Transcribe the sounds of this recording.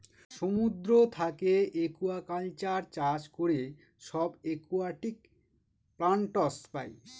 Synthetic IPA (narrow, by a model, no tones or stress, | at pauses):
ʃomud̪ɾot̪ʰakeekuakalt͡ɕaɾt͡ɕaʃkoɾe | ʃɔbekuaʈik | pɾaɳʈɔspaj